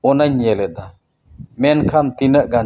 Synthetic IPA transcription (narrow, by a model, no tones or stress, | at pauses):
ɔnaɲjɛlɛɗa | mɛnkʰamt̪inəʔɡan